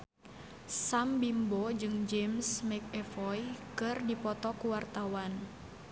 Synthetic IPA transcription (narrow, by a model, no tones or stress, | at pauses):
sambimbɔd͡ʒɨŋd͡ʒɛmsmɛk̚ɛfɔjkɨrdipɔt̪ɔkuwart̪awan